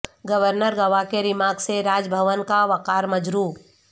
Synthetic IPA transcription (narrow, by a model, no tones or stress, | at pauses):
ɡəʋəɾnəɾɡɐʋakeɾɪmaːɡseɾaːd͡ʒbʱəʋənkaʋɐkaːɾmɐd͡ʒɾuː